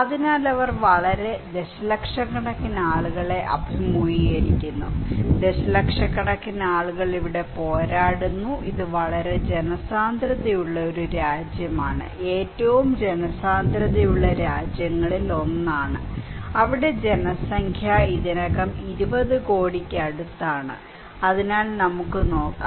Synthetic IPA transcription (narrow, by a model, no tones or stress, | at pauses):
ɐðinaːlɐʋɐrʋɐɭɐɾe̞d̪e̞ɕɐlɐkʂɐkːɐɽɐkːinːɐaːɭuɣɐɭe̞ʔɐ̰bʱimujijɐɾikʲːunːud̪e̞ɕɐlɐkʂɐkːɐɽɐkːinɐaːɭuɣɐɭiʋiɽe̞po̞ːɾaːɽunːuʔiðɨʋɐɭɐɾe̞d͡ʑe̞nɐsaːnd̪ʱɾɐðɐjuɭːɐo̞ɾuɾaːd͡ʑjɐmaːɳɨ̰ʔe̞ːtːɐʋumd͡ʑenɐsaːnd̪ɾɐðɐjuɭːɐɾaːd͡ʑjɐŋːɐɭilo̞nːaːɳɨ̰ɐʋiɽe̞d͡ʑe̞nɐsɐŋkʰjɐiðinɐɣɐmiɾubɐðɨko̞ːɽikʲːɐɽut̪ːaːɳɨ̰ | ɐðinaːlnɐmukːɨno̞ːkːa